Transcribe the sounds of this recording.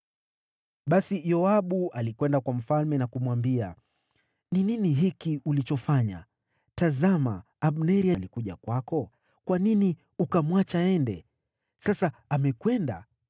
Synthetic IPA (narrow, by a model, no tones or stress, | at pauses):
ɓasijɔaɓuʔalikwɛndakwam̩falmɛnakumwambia̰ | nininiɦikiulit͡ʃɔfaɲa̰ | tazama | aɓnɛɾialikuʄa̰kwakɔ | kwanini | ukamwat͡ʃaɛndɛ | sasaamɛkwɛnda̰